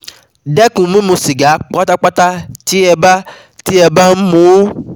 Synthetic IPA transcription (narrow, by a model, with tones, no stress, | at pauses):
dɛ˦kũ˨˦mĩ˦mũ˧si˨ɡa˨˦k͡pa˦ta˦k͡pa˦ta˦ti˦ɛ˧ba˦ | ti˦ɛ˧ba˦m̩˦mũ˧˦